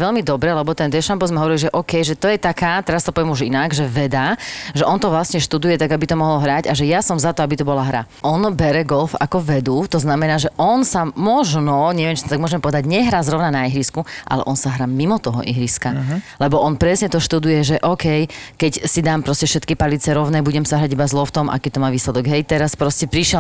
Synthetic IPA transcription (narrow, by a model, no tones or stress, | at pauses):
ʋɛlmid̪ɔbɾɛlɛbɔt̪ɛnd̪ɛʃambɔzmɛɦɔʋɔɾiliʒɛʔɔkɛjʒɛt̪ɔjɛt̪akaːt̪ɛɾast̪ɔpɔʋjɛmuʒinaɡʒɛʋɛd̪aʒɛʔɔnt̪ɔʋlasɲɛʃt̪ud̪ujɛt̪aɡabit̪ɔmɔɦɔlɦɾaɟaʒɛjasɔmzat̪ɔabit̪ɔbɔlaɦɾa̰ | ʔɔnbɛɾɛɡɔlfa̰kɔʋɛd̪uːt̪ɔznamɛnaːʒɛʔɔnsamɔʒnɔɲɛʋɛmt͡ʃit̪ɔt̪aɡmɔʒɛmpɔʋɛd̪aɟɲɛɦɾaːzɾɔʊnanaiɦɾiskuʔa̰lɛ̰ʔɔnsaɦɾaːmimɔt̪ɔɦɔ̰ʔḭɦɾiskalɛbɔʔɔnpɾɛsɲɛt̪ɔʃt̪ud̪ujɛʒɛʔɔːkɛjkɛcsid̪aːmpɾɔscɛfʃɛt̪kipalit͡sɛɾɔʊnɛːbuɟɛmsaɦɾaɟibazlɔft̪ɔmʔa̰kɛːt̪ɔmaːʋiːslɛd̪ɔɡɦɛjt̪ɛɾaspɾɔscɛpɾiʃɪɛ